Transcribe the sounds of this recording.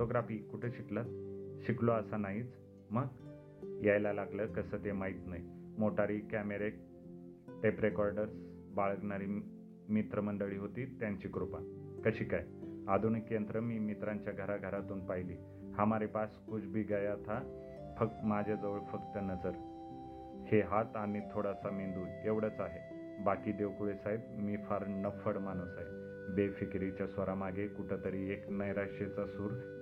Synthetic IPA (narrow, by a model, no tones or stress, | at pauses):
oʈoɡɾafiːkuʈʰeɕiklat̪̚ɕikloəsanaɦiːt͡s | məɡ | jajlalaɡləːkəsəːt̪emaɦit̪naɦimoʈaɾiːkæmeɾek̚ | ʈ̪epɾekɔɾɖəɾs | baɭəɡɳaɾiː | mit̪ɾəməɳɖəɭiːɦot̪iːt̪jaɲt͡ɕiːkɾupakəɕiːkajad̪uɳkent̪ɾəmiːmit̪ɾãɲt͡ɕjaɡʱəɾaɡʱəɾat̪uːnpaɦilḭː | hamaɾipaskut͡sʰbʱiːɡajat̪ʰa | fəkt̪mad͡ʑʱjad͡zəʋəɭfəkt̪ənəd͡zəɾ | heɦat̪anit̪ʰoɽasamiɳd̪uːneʋɽət͡saɦe | bakiːd̪eʋkuɭesait̪̚miːfaɾnəfəɽmanusaj | befikɾit͡ɕjasʋəɾamaɡʱekuʈʰət̪əɾiːeknəjɾaʂet͡sasuːɾ